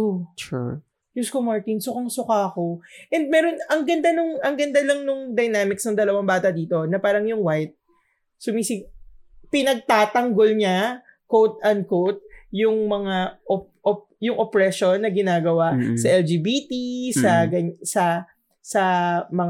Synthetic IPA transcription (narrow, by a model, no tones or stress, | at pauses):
ot͡ʃ | juskomaɹt̪insʊkɐŋsʊkakoʔɛnd̪̚mɛɾonɐŋɡɐnd̪anʊŋɐŋɡɐnd̪alɐŋnʊŋd̪ɐjnaːmɪksnɐŋd̪ɐlɐwaŋbaːt̪ɐd̪iːt̪o̞nɐpaːɾɐŋjʊŋwajt̪̚ | sʊmiːsɪɡpɪnɐɡ̚t̪aːt̪ɐŋɡolɲa | kowt̪̚ɐnd̪̚kowt̪̚jʊŋmɐŋaʔopop | jʊŋʔopɹɛʃonːɐɡɪnaːɡɐwaʔsɐʔɛld͡ʒiːbiːt̪isɐɡɐɲsɐ | sɐmɐŋ